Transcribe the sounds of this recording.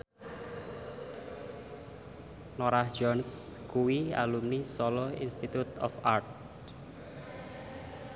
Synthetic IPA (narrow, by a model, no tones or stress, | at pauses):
noɾahd͡ʒɔnskuwia̰lumnisɔlɔḭnst̪it̪ut̪ɔ̰fart̪̚